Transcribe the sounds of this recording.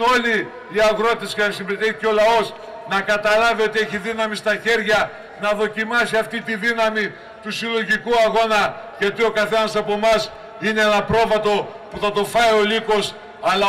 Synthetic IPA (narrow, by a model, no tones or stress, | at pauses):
o̞liː | ɐɣɾo̞t̪e̞scenɐsimbet̪eceo̞lɐo̞s | nɐkɐt̪ɐlɐvio̞t̪ie̞çiðinɐmist̪ɐçe̞ɾʝɐ | nɐðo̞cimɐsiɐft̪it̪iðinɐmi | t̪usilo̞ʝikuɐɣo̞nɐʝɐt̪io̞kɐθe̞nɐsɐpo̞mɐs | ineenɐpɾo̞vɐt̪o̞puθɐt̪o̞fɐjo̞liko̞s | ɐlɐ